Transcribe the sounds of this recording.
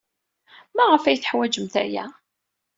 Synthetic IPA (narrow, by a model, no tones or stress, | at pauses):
mæʁəfæjθə̥ħwæd͡ʒəmθæ̰jæ̰